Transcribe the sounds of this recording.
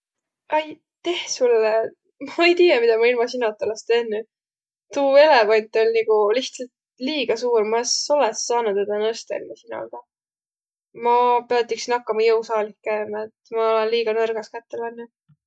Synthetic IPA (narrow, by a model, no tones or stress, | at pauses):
ʔɑj | t̪e̞hsulːe | mɑɑejt̪iːjɑmid̪ɑmɑilmɑsinot̪ːˑolest̪eːnːy | t̪uːe̞levɑnʲt̪ːˑo̞lʲniɡ̥uliht̪sɑlt̪ | liːɡ̥ɑsuːrmɑeso̞lɛsːɑːnud̪ed̪ɑnɤst̪ḛlmɑsino̰ɡ̥ɑ | mɑpeɑt̪ːiksinɑkːɑmɑjɤwsɑːlikkæːmet̪mɑolɛnliːɡ̥ɑnɤrɡ̥ɑskæt̪ːelɑnːu